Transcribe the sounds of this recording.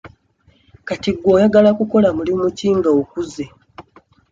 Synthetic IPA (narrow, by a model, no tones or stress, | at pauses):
katiɡːo̞ːjaɡalakuko̞lamulimuciːŋɡaokuze